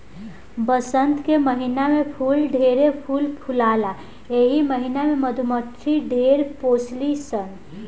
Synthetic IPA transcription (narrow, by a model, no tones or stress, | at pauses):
bəsənt̪keməɦinamepʰulɖʱeɾepʰulpʰulala | eɦiməɦinameməd̪ʱuməʈɾiɖʱeɾposlisən